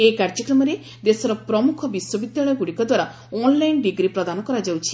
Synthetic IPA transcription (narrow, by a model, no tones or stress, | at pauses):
ekaɾd͡ʒɔkɾɔmɔɾe | d̪esɔɾɔpɾɔmukʰɔbiswɔbid̪jaɭɔjɔɡuɽikɔd̪waɾa | ɔnlajnɖiɡɾipɾɔd̪anɔkɔɾad͡ʒawt͡ʃʰi̥